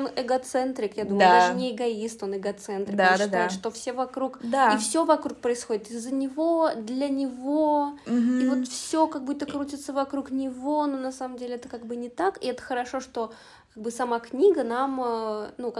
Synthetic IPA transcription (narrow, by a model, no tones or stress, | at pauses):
nɛɡɐt̪sɛnt̪ɾʲɪkjad̪uməd̪aaɨnʲɪɪɡɐist̪o̞nɨɡɐt̪sɛnt̪ɾʲɪd̪at̪aɪʂt̪o̞fsʲevɐkɾukd̪aifsʲovɐkɾuk̚pɾəɪsxo̞dʲɪt̪ɪzːənʲɪvo̞d̪lʲənʲɪvoivo̞t̪fsʲokaɡ̚but̪ːəkɾutʲɪt̪səvɐkɾuknʲɪvo̞no̞nɐsaməmdʲelʲɪɛt̪əkaɡ̚bɨnʲɪt̪akɪɛt̪ə̥xəɾɐʂo̞ʂt̪o̞ | kaɡ̚bɨsɐmaknʲiɡənamənuk